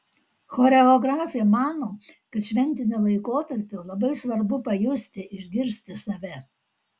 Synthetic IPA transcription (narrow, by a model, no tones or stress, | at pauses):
xoːɾʲɛɔɡɾɑːfʲɪjɛmɑːnoːkɐt̪ʃʲʋʲɛnʲt̪ʲɪnʲulˠɐɪkoːt̪ɐɾʲpʲʊlˠɐbɐɪsʋɐɾbʊpɐjʊsʲt̪ʲɪʔɪʒʲɡʲɪɾʲsʲt̪ʲɪsɐʋʲɛ